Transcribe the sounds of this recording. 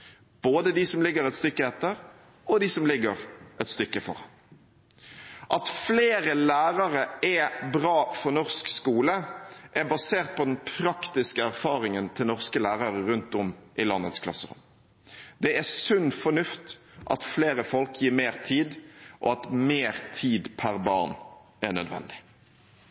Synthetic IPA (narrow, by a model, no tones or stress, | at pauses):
b̥oːd̪əd̪ɪsɔmlɪɡəɾɛt̪st̪ʏkːəɛt̪ːəɾ | ɔd̪ɪsɔmlɪɡəɾʔɛt̪st̪ʏkːəfɔ̰ɾɑn | ʔɑt̪fleːɾəlæːʁɑʁəɛbɾɑːfɔɾnɔʁskskuːləʔæbɑseːʁt̪̚pʰɔd̪ɛnpʰɾɑkt̪ɪskəæɾfɑːʁɪŋənt̪ʰɪlnɔʁskəlæːʁɑʁəɾʉnt̪ɔmʔɪlɑnːət̪skʰlɑ̰sːəʁʊ̰m | d̪ɛæsʉnːfɔnʉft̪ | ʔɑ̰t̪fleːɾəfɔlkjiːɾmeːʁt̪ʰiːd̪ʔɔ̰ɑt̪meːʁt̪ʰiːd̪pʰæʁbɑ̰ːʁn | ænœd̪ʋɛ̰nd̪ɪ̥